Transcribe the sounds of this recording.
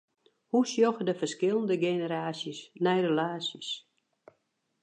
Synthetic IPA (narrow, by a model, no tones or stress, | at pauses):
husjoxədəfərskɪlˠəndəɡenəɾaːsjəsnɛjɾəlaːsjəs